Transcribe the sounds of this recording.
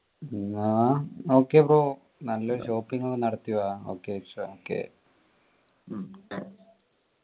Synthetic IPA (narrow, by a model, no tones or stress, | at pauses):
aːoːkeːpɾo | nɐlːɐʃoːpiŋɡɐnɐɽɐt̪iʋaːo̰ːket͡ʃːɐoːkḛ